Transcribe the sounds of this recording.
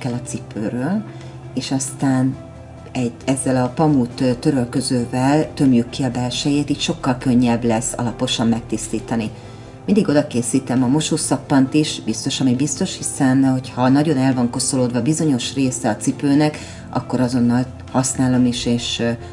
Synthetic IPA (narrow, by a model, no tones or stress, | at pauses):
kɛlɒt̪sipøːrøːl | eːʃɒst̪aːn | ɛɟɛzːɛlɒpɒmut̪t̪ø̞ɾølkø̞zøːvɛlt̪ø̞mjykːiɒbɛrʃɛjeːt̪iːc̪ʃo̞kːɒlkø̞ɲːɛblɛsːɒ̰lɒpo̞ʃɒmːɛk̚t̪ist̪iːt̪ɒni | mind̪iɡo̞d̪ɒkeːsiːt̪ɛmɒmo̞ʃoːsɒpːɒnt̪iʃbist̪o̞ʃɒmibist̪o̞ʃhisɛnho̞chɒnɒɟo̞nɛlvɒŋko̞so̞loːd̪vɒbizo̞ɲo̞ʃreːsɛɒt̪sipøːnɛk | ʔɒ̰kːo̞ɾɒzo̞nːɒl | hɒsnaːlo̞miʃeːʃ